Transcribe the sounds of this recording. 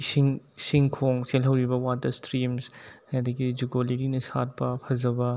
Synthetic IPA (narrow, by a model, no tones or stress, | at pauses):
siŋ | siŋkʰoŋselɦɐwɾibɐwatɐɾstɾimshadɐɡid͡ʒuɡoliɾinɐsa̰t̚pɐpʰɐzɐbɐ